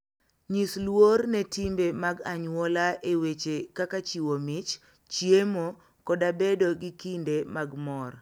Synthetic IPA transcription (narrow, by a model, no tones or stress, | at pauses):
ɲislwornɛtimbemaɡaɲwɔlaʔewet͡ʃekakat͡ʃiwomɪt͡ʃ | t͡ʃjemo | kɔdabedoɡikindemaɡmɔr